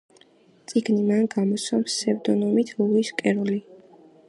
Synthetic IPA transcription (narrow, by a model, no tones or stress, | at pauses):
t̪sʼiɡnimanɡamɔsɔmsɛvd̪ɔnɔmit̪ʰluiskʼɛɾɔli